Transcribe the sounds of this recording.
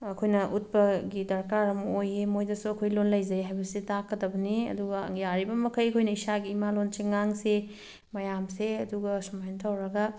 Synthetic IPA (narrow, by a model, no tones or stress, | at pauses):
ɐkʰojnɐʔut̚bɐɡidɐɾkaɾɐmojemojdɐsuɐkʰojlonlɐjzɐɾiɦajbɐsetakːɐdɐbɐniɐ̰duɡɐ̰ŋjaɾibɐmɐkʰɐjɐkʰojnɐisaɡiːmalont͡ʃiŋːaŋse | mɐjamseɐduɡɐsɐmajntʰawɾɐɡɐ